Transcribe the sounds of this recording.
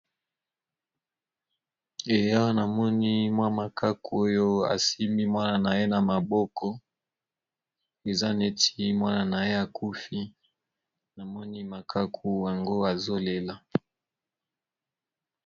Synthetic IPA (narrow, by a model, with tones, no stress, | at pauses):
e˨ja˦o˦na˨mɔ˦ni˦mwa˦ma˨ka˦ku˨o˦jo˦a̰˨si˦mi˦mwa˦na˨na˨je˦na˨ma˨bɔ˦kɔ˦ | e˨za˦ne˦ti˦mwa˦na˨na˨je˦a˨ku˦fi˦ | na˨mɔ˦ni˦ma˨kʰa˦kʰu˦ja˨ŋɡo˦a˨zo˦le˨la˨